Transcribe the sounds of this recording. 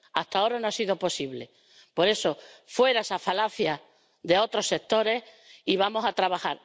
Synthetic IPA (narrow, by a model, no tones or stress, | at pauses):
aht̪ao̞ɾanoasiðo̞po̞siβle̞ | po̞ɾe̞so̞fwe̞ɾaesafalaθja | ðe̞o̞t̪ɾo̞sek̚t̪o̞ɾe̞s | iβamo̞sat̪ɾaβaxaɾ